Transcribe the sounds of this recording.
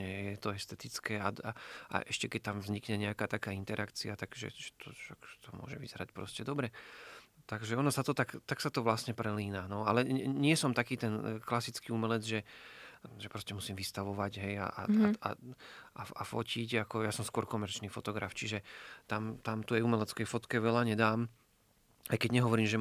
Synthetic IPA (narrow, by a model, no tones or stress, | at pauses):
ɛjɛt̪ɔɛst̪ɛt̪it͡skɛːaaʔa̰ʔɛʃcɛkɛc̚t̪amvzɲikɲɛɲɛakaːt̪akaːint̪ɛɾʔakt͡siat̪aɡʒɛ̰ʒɛ̥t̪ʰɔʃakʒɛ̥t̪ɔmʊɔ̰ʒɛʋḭz̥ɛɾacpɾɔ̰scɛd̪ɔbɾɛ | t̪aɡʒɛɔnɔsat̪ɔt̪akt̪aksat̪ɔʋlasɲɛpɾɛliːnanɔa̰lɛɲɪɛsɔmt̪akiːt̪ɛnklasit͡skiːumɛlɛd͡zʒɛ | ʒɛpɾɔscɛmusiːmʋist̪aʋɔʋaɟɦɛja̰ʔa̰a̰aafɔ̰cʰiɟakɔjaːsɔmskʊɔɾkɔmɛɾt͡ʃniːfɔt̪ɔɡɾa̰ft͡ʃiʒɛt̪amt̪amt̪ujɛumɛlɛt͡skɛjfɔt̪kɛʋɛlaɲɛd̪aːm | ajkɛɟɲɛɦɔʋɔɾiːmʒɛ